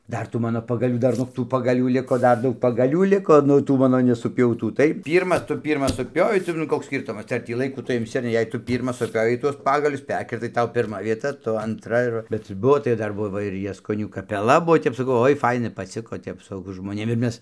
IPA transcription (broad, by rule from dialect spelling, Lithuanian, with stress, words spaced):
ˈdɐr tuː ˈmɑːnoː pɐɡɐˈlʲuː ˈdɐr noːk ˈtuː pɐɡɐˈlʲuː ˈlʲɪkoː ˈdɐr ˈdɐʊk pɐɡɐˈlʲuː ˈlʲɪkoː ˈnʊ ˈtuː ˈmɑːnoː nʲɛsʊˈpʲɛʊtuː ˈtɐɪ ˈpʲiːrmɐs ˈtʊ ˈpʲiːrmɐs sʊˈpʲoːʋʲɛɪ tɐɪ nʊ ˈkoːks ˈsʲkʲiːrtʊmɐs tɐɪ ɐr ˈtʲiː lˠɐɪˈkuː ˈtʊ ɪmʲˈsʲɪ ɐr ˈnʲɛ jɛɪ ˈtʊ ˈpʲiːrmɐs sʊˈpʲoːʋʲɛɪ tuɔs ˈpɑːɡɐlʲʊs ˈpʲɛrʲkʲɪrtɐɪ ˈtɐʊ pʲɪrˈmɐ ʋʲiɛˈtɐ ˈtʊ ɐntˈrɐ ɪr ˈʋɐ bʲɛt ˈbʊʋoː tɐɪ ˈdɐr ˈbʊʋoː ɪr jɛskoːˈnʲuː kɐpʲɛˈlˠɐ ˈbuɔ ˈtʲɛp sɐˈkɐʊ ˈoːɪ ˈfɐɪnɐ pɐˈt͡sʲɪkoː ˈtʲɛp sʊ ʒmoːnʲeːm ɪr ˈmʲɛs